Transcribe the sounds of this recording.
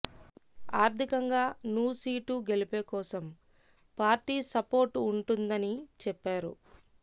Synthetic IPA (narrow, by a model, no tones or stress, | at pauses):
aːɾt̪ʰikɐŋɡaːnuːsiːʈuɡe̞lipeːkɔːsɐm | paːɾʈiːsɐpo̞ːɾʈuɳʈund̪ɐnit͡ʃɛpːaːɾṵ